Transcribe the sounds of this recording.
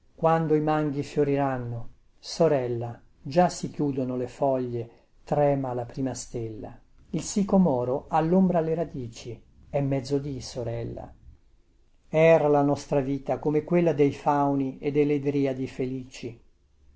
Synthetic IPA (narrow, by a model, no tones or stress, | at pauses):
kwand̪oimaŋɡifjoɾiɾanːo | soɾɛlːa | d͡ʒasikjuːd̪onolefɔʎːe | t̪ɾɛːmalapɾiːmast̪elːa̰ | ilsikomɔːɾoʔalːombɾaleɾad̪iːt͡ʃi | ɛmːɛd̪zːod̪isoɾɛlːa̰ | ɛɾalanɔst̪ɾaviːt̪akomekwelːad̪ejfawnied̪ːeled̪ɾiːad̪ifeliːt͡ʃi